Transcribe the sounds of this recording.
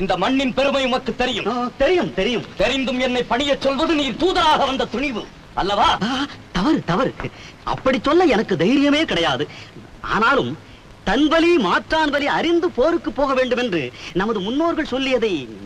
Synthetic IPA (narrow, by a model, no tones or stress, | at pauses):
ɪnd̪ɐmɐɳːɪnpɛɾɯmɐjɯmɐkːɯt̪ːɛɾɪjɯmt̪ɛɾɪjɯmt̪ɛɾɪjɯmt̪ɛɾɪnd̪ɯmɛnːɐɪpːɐɳɪjɐt͡ʃːɔlʋɐðɯniːɾt̪uːðɐɾaːɣɐʋɐnd̪ɐt̪ʊɳɪʋɯ | ɐlːɐʋaːt̪ɐʋɐɾt̪ɐʋɐɾ | ɐ̰pːɐɽit͡ʃːɔlːɐɛnɐkːɯd̪ɐjɾɪjɐmeːkɪɽɐjaːðɯ | ʔa̰ːnaːlɯm | t̪ɐnʋɐlimaːʈraːnʋɐliɐɾɪnd̪ɯpoːɾɯkːɯpːoːɣɐʋeːɳɖɯmɛndrɯnɐmɐðɯmʊnːoːɾɣɐɭsɔlːɪjɐðɐɪ